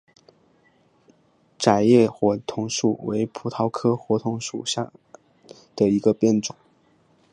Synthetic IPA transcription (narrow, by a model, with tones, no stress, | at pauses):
ʈ͡ʂa˨˩ɪjɛ˥˩xwɔ˧˥t̪ʰʊ˧˥ŋʂu˥˩we˧˥ɪpʰu˨˥t̪ʰɑ˧˥ʊkʰɤ˥xwɔ˧˥t̪ʰʊ˧˥ŋʂṵ˨˩ɕja̰˥˩ | d̪̥ə˨i˧˥ɡə˧pjɛ˥˩nʈ͡ʂʊ˨˩˦ŋ